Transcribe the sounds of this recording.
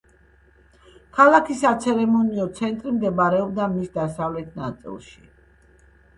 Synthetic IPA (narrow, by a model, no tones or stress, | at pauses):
kʰalˠakʰisat̪sʰɛɾɛmɔniɔt̪sʰɛnt̪ʼɾimd̪ɛbaɾɛɔbd̪amisd̪asavlɛt̪ʰna̰t̪sʼḭlˠʃi̥